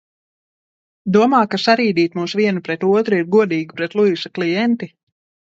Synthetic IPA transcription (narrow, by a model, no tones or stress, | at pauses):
d̪uɔmaːkasaɾiːd̪iːt̪muːsviɛnupɾɛt̪uɔt̪ɾuiɾɡuɔd̪iːɡipɾɛt̪lˠuisaklˠijɛnt̪i